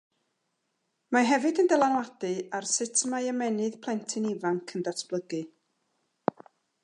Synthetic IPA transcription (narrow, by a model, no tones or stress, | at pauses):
maɦɛvɨdəndɛlˠanwadɨarsɪtʰmaəmɛnɨðpʰlˠɛntʰɨnivaŋkʰəndatʰb̥lˠəɡɨ